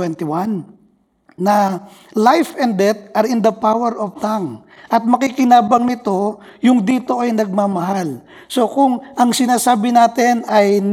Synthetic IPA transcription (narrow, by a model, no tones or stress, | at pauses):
wɛnt̪ɪwanː | ɐlajfɛnd̪d̪ɛt̪̚ʔɐɾɪnd̪ɐpawɛɾovt̪aŋ | ʔɐt̪̚mɐkikɪnaːbɐŋnɪt̪o̞jʊŋd̪iːt̪o̞ʔɐjnɐɡ̚maːmɐɦal | so̞kʊŋʔɐŋsɪnaːsaːbɪnaːt̪ɛnɐjn